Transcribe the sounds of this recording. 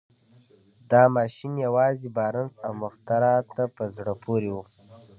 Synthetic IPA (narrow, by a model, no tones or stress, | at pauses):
d̪ɑmɑːʃinjawɑːzibɑːɾənsawmʊxt̪aɾɑt̪ːapəzɽəpʰoɾiwu